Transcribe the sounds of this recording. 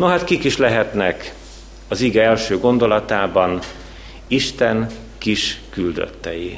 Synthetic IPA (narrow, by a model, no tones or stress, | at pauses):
noɦat̪kikiʃlɛɦɛt̪nɛk | ɒziɡɛɛlʃøːɡo̞nd̪o̞lɒt̪aːbɒn | iʃt̪ɛn | kiʃkyld̪ø̰t̪ːɛji